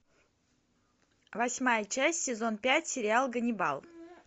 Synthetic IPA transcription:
vɐsʲmajət͡ɕæsʲtʲsʲɪzo̞npʲætʲsʲɪɾʲɪalˠɡənʲɪbɑ̰lˠ

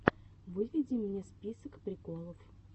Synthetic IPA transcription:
vɨvʲɪdʲɪmʲnʲespʲisəkpɾʲɪkolˠəf

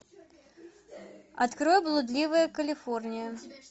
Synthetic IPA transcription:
ɐt̪kɾɔjblˠud̪lʲivɨjɐkɐlʲifɔrnʲɪjɐ

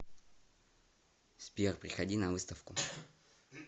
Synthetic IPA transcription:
spʲirpɾʲɪxɐdʲinɐvɨst̪əfkʊ

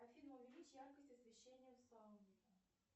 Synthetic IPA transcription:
ɐfʲid̪məʊvʲɪlʲit͡ɕjarkəsʲtʲɐsvʲɪɕːenʲːɪjəslˠamvʲekə

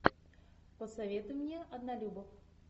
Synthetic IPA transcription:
pəsɐvʲet̪ʊjmnʲeʔɐd̪nɐlʲubəf

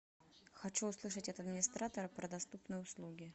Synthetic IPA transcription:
xɐt͡ɕuːslˠɨʂətʲɐt̪ɐd̪mʲɪnʲɪst̪ɾat̪əɾəpɾəd̪ɐst̪upnɨjəʊslˠuɡʲɪ

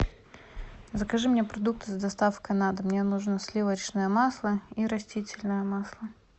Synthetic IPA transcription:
zəkɐʐɨmnʲepɾɐd̪uk̚t̪ɨzd̪ɐst̪afkɐnad̪ɨmnʲenuʐnəsʲlʲivəɾt͡ɕnəjəmaslˠəiɾɐsʲtʲitʲɪlʲnəjəmaslˠə

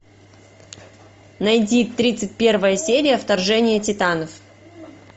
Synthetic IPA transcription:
nɐjdʲit̪ɾʲit̪sɨt̚ʲpʲe̞rvəjəsʲeɾʲɪjəft̪ɐrʐɛnʲɪjətʲɪt̪anəf

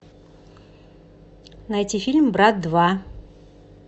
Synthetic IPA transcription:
nɐjtʲifʲilʲmbɾat̪̚d̪va

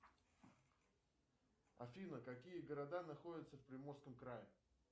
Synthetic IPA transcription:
ɐ̰fʲinəkɐkʲijəɡəɾɐd̪anɐxodʲɪt̪səfpɾʲɪmo̞rskəmkɾajɪ

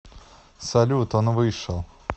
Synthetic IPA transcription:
sɐlʲut̪onvɨʂəlˠ

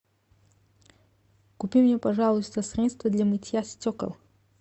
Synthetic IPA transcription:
kupʲimnʲɛpɐʐalˠʊst̪əsɾʲɛt̪st̪vəd̪lʲamɨtʲjasʲtʲɔkə̰lˠ

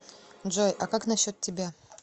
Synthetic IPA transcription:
ʐojʔɐkaknɐɕo̞t̪ʲtʲːɪbʲa

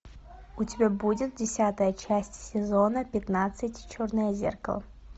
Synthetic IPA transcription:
ʊtʲɪbʲabudʲɪt̪̚dʲɪsʲat̪əjət͡ɕæsʲtʲsʲɪzo̞nəpʲɪt̪nat̪sɨtʲt͡ɕornɨjəzʲḛrkə̰lˠə

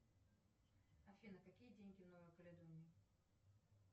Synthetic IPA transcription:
ɐfʲinəkɐkʲijədʲenʲɡʲɪvnovəjkəlʲɪd̪onʲɪ

